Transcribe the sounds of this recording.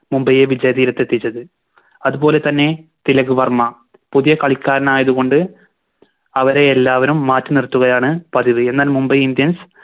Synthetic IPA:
mumbɐjeʋid͡ʑɐjɐðiːɾɐt̪ːe̞t̪ːit͡ɕːɐðɨ | ɐðubo̞ːle̞t̪ɐnːe̞t̪ilɐɣuʋɐrmɐ | puðijɐkɐɭikʲːaːɾɐnaːjɐðuɣo̞ɳɖɨ | ɐʋɐɾeːlːaːʋɐnumːaːtːɨnirt̪ːuɣɐjaːɳɨpɐðiʋɨe̞nːaːlmumbɐjind̪jɐns

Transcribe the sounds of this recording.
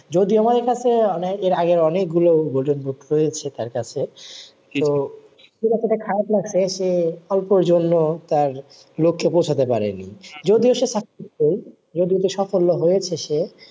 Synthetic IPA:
d͡ʑod̪ioamad̪eɾkat͡ɕʰeɔneeɾaɡeɾɔnek̚ɡulobolʈonboʈɾojet͡ɕʰet̪aɾkat͡ɕʰe | t̪o | ʃiɾat̪eʈakʰaɾap̚naʃeʃeɔlpoɾd͡ʑonːot̪aɾ | lokʰːepowt͡ɕʰat̪epa̰ɾḛnḭd͡ʑod̪ioʃeʃakioj | d͡ʑod̪iod̪iʃɔfolːoɦojet͡ɕʰeʃe

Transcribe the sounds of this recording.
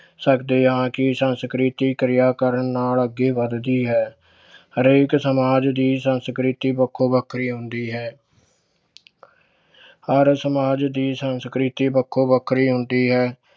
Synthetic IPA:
səkd̪eːãːkɪsənskɾit̪iːkɾɪjaːkəɾənːaːləɡːeːʋəd̪d̪iːɦɛː | əɾeːksəmaːd͡ʒd̪iːsənskɾɪt̪iːbəkʰːoːbəkʰːɾiːɦʊ̃nd̪iːɦɛː | əɾsəmaːd͡ʒd̪iːsənskɾɪt̪iːbəkʰːoːbəkʰːɾiːɦʊnd̪iːɦɛː

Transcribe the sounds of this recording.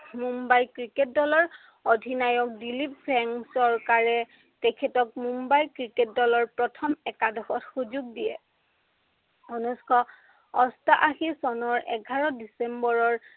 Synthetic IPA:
mumbajkɹiket̚dɔlɔɹ | odʱinajɔk̚dilip̚pɛŋsɔɹkaɹɛ | tɛkʰɛtɔk̚mumbajkɹiket̚dɔlɔɹpɹɔtʰɔmɛkadɔxɔtxuzuɡ̚dijɛ | ɔnuskʰɔ | ɔstaʔaxisɔnɔɹɛɡʱaɹɔdisɛmbɔɹɔɹ

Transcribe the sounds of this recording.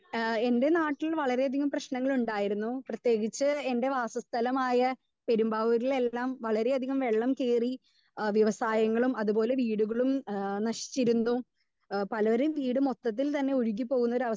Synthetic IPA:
e̞nde̞naːʈːilʋɐɭɐɾe̞ɐd̪ʱiɣɐmprɐɕnɐŋːɐɭuɳɖaːjiɾunːuprɐt̪je̞ːɡit͡ɕːɨe̞nde̞ʋaːsɐst̪ʰɐlɐmaːjɐ | peɾumbaːʋɐɾile̞lːaːmʋɐɭɐɾe̞ɐd̪ʱiɣɐmʋe̞ɭːɐmkeːri | ʋjiʋɐsaːjɐŋːɐɭumɐðubo̞ːle̞ʋiːɽuɣɐɭumnɐɕi̥t͡ɕːiɾunːu | pɐlɐʋɐɾeʋiːɽɨmo̞t̪ːɐt̪̬ːilt̪ɐnːe̞oɻuk̬ːipːo̞ːɣunːɐoɾuɐʋɐ

